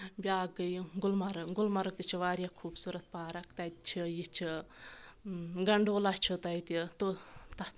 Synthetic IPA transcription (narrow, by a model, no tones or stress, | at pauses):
bʲaːɡəjɡulmɐɾɐɡʊlmɐɾɐk̚t̪it͡ʃʰiʋaːɾʲjaːkʰuːbsuɾɐt̪̚paːɾɐkt̪ɐjt̪t͡ʃʰijit͡ʃʰi | ɡɐɳɖoːlat͡ʃʰut̪ɐjit̪it̪ot̪ɐ